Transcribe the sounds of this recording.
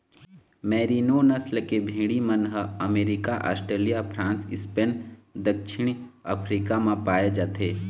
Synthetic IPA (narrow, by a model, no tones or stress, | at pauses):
mɛːɾiːnonɐslkebʱĩːɽimɐnɦəɐmeːɾɪkaʔa̰ːsʈɾeːlijapʰɾãːnsɪspend̪ɐkʃɪɽ̃ | əpʰɾiːkamãpaːjed͡ʒaːt̪eː